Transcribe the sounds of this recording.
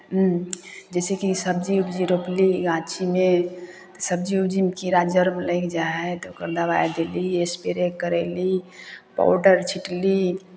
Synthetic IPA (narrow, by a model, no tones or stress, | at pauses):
d͡ʒɛːsekisəbd͡ʒiubd͡ʒiɾopliɡãːt͡ʃimẽ | t̪səbd͡ʒiubd͡ʒimkiɾad͡ʒəɾmeləɪkd͡ʒaɛt̪okəɾd̪abajd̪eliespeɾekəɾɛlipa̰wɖəɾt͡ʃʰiʈli